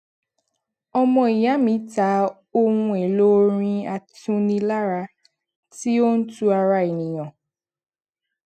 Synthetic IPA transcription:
ɔ˦mɔ˦i˨ja˦mĩ˨˦ta˨˦ | o˦ŋu˦e˨lo˦ɾĩ˦a˨tũ˦ni˦la˦ɾa˨ | ti˦o˦n̩˦tu˦a˨ɾa˦˨i˨ni˨jɔ̃˨

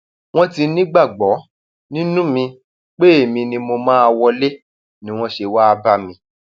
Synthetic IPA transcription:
w̃ɔ̃˦ti˧nĩ˦ɡ͡ba˦˨ɡ͡bɔ˨˦ | nĩ˦nũ˦mĩ˧ | k͡pe˦e˦˨mĩ˧nĩ˧mo˧mãː˦a˧wɔ˧le˦ | nĩ˦w̃ɔ̃˦ʃe˧wa˦˧ba˧mĩ˧

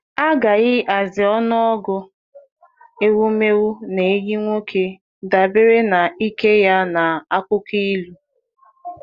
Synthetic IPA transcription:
a˦ɡa˨ɣɪ˦ʔa˨zɪ˨ɔ˦nɔ˦ɔ˦ɡʊ˦ | e˦wu˦me˦ɣu˦ne˨e˦ɲi˦ŋʷo˦kʰe˨ | da˨be˦ɾe˦na˨i˦ke˦ja˦na˨a˦kʷʊ˦ki˦i˦lu˦

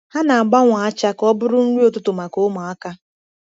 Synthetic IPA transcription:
ha˦na˨a˨ɡ͡ba˦ŋʷa˨a˦t͡ʃa˦kɔ˦bʊ˦ɾʊ˦n̩˦ɾu˦o˦tʊ˦tʊ˨ma˨ko˦mʊ˨a˦ka˦

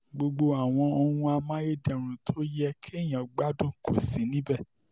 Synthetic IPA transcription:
ɡ͡bo˧ɡ͡bo˧a˨w̃ɔ̃˧o˧hũ˧a˧mã˦je˦dɛ˨ɾ̃ũ˨tʰo˦jɛ˦kʰi˦e˦˨j̃ã˨ɡ͡ba˦dũ˦kʰo˦˨sĩ˨˦nĩ˦bɛ˦˨

